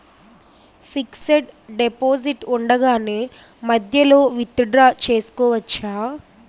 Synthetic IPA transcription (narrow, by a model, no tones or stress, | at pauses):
pʰikseɖɖepoːd͡ʒiʈuɳɖɐɡaːneː | mɐd̪ʱjɐloːʋit̪ːuɖɾaːt͡ʃe̞ːsu̥kɔːʋɐt͡ʃːaː